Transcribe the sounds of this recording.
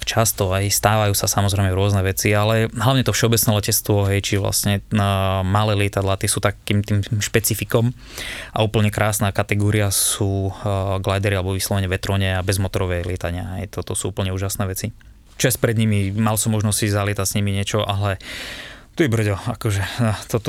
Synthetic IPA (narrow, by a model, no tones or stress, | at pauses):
t͡ʃast̪ɔajst̪aːʋajuːsasamɔzɾɛjmɛɾʊɔznɛʋɛt͡sialɛɦlaʊɲɛt̪ɔfʃɛɔbɛt͡snɛːlɛcɛt͡st̪ʋɔɦɛjt͡ʃiʋla̰sɲɛ | malɛːlɪɛt̪ad̪lat̪ɪɛsuːt̪akːiːmt̪iːmʃpɛt͡sifikɔm | ʔa̰uːpl̩ɲɛkɾʔaːsnaːkat̪ɛɡɔːɾiasuːɡlajd̪ɛɾialɛbɔʋislɔʋɛɲɛʋɛt̪ɾɔɲɛabɛzmɔt̪ɔɾɔʋɛjlɪɛt̪aɲɪaɦɛjt̪ɔt̪ɔsuːuːpl̩ɲɛuːʒasnɛːʋɛt͡si | t͡ʃɔɛspɾɛd̪ɲimimalsɔmːɔʒnɔssizalɪɛt̪asɲimiɲɪɛt͡ʃɔʔalɛ | t̪ujɛbr̩ɟɛakɔʒɛt̪ɔt̪